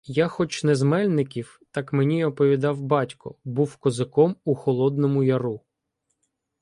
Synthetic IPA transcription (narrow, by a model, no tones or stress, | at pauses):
jaxɔt͡ʃnɛzmɛlʲnɪkʲiw | t̪ɑkmenʲiɔpɔʋʲid̪ɑwbɑtʲkɔ̰buwkɔzɪkɔmuxɔlˠɔd̪nɔmʊjɐɾu